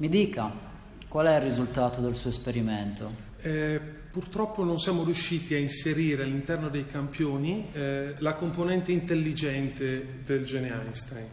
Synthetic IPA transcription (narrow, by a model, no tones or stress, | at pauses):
mid̪iːka | kwalɛirːizult̪aːt̪od̪elsuːoespeɾiment̪o | ɛ | purt̪ɾɔpːononsjaːmoɾjuʃːiːt̪iainseɾiːɾealːint̪ɛrnod̪ejkampjoːnilakomponɛnt̪eint̪elːid͡ʒɛnt̪e | d̪eld͡ʒɛneajnst̪ajn